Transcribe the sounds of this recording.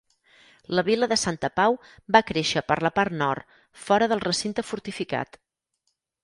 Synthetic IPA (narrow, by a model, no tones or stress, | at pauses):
ləβiləðəsant̪əpaw | bakɾeʃəpəɾləpaɾt̪nɔ̰rt̪ | fɔɾəðəlˠrəsint̪əfuɾt̪ifika̰t̪